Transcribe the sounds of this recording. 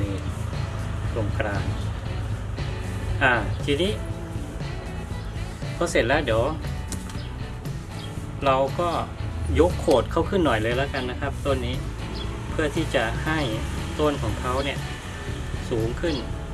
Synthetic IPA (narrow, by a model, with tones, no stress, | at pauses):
iː˧ | so˧˩ŋkʰɾaː˧n | ʔaː˧˩t̪ʰiː˧niː˦˥˨ | pʰɔː˧˥˩se˨˩nlɛː˦˧˥di˨˩˦w | ɾa˧wkɔː˥˩jo˦˥kʰːoː˨˩t̪̚kʰa˧˥˩wkʰɯ˥˩˨nːɔ˨˩jlɤː˧jlaː˧˩ka˧˨nːa˦˥kʰa˦˥p̚t̪o˧˨nːiː˦˥ | pʰɯ˥˩ɐt̪ʰiː˧˥˩t͡ɕa˨˩ha˥˩jt̪oː˧˥˨nkʰɔː˩˦ŋkʰa˦˥wni˧˩ɐ | suː˨˩˦ŋkʰɯ˥˩n